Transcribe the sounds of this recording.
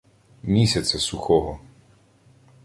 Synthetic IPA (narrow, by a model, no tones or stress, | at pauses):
mʲisʲɐt̪sʲɐsuxɔɦɔ